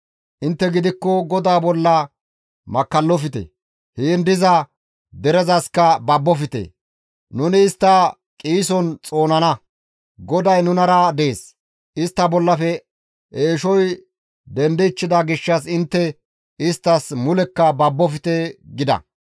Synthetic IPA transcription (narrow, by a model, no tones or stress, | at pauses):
ʔɪnt̪ːɛɡɪd̪ɪkːɔɡɔd̪aːbɔlːɐ | mɐkːɐlːɔfɪt̪ɛ̰ | hend̪ɪzɐ | d̪ɛɾɛzɐskɐbɐbːɔfɪt̪ḛː | nʊnɪːst̪ːɐ | kʼiːsɔnt͡sʼo̞ːnɐnɐ | ɡɔd̪ɐjnʊnɐɾɐd̪eːs | ɪst̪ːɐbɔlːɐfɛ | ʔeːʃɔj | d̪ɛnd̪ɛːt͡ʃːɪd̪aɡɪʃːɐsɪnt̪ːɛ | ɪst̪ːɐsmʊlɛkːɐbɐbːɔfɪt̪eɡɪd̪ɐ̰